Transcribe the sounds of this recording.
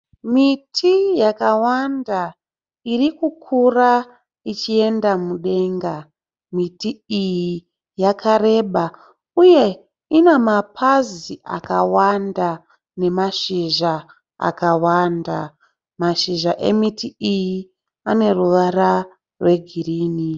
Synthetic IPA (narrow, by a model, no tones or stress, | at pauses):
mitʰijakawanda | irikukʰura | it͡ʃie̞ndamuɗe̞ŋɡa | mitiiji | jakʰaɾe̞ɓa | uje̞ | inemapʰaziʔa̰kawanda | ne̞maʃiʒa | a̰kawanda | maʃiʒaʔe̞̰mitiiji | ane̞ruʋara | rwe̞ɡʱiriːni